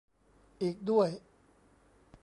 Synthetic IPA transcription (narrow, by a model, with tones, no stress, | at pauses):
ʔiː˨˩k̚du˥˩əj